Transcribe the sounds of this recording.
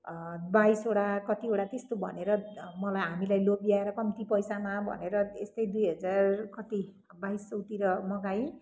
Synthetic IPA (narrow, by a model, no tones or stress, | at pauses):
baisoɽakʌt̪ioʈat̪est̪obʱʌ̰neɾʌmʌlajɦamilajlobiaeɾʌkʌmt̪ipʌjsamabʱʌ̰neɾʌest̪ʌjd̪ujɦʌd͡zarkʌt̪i | baist͡sʌwt̪iɾʌmʌɡaj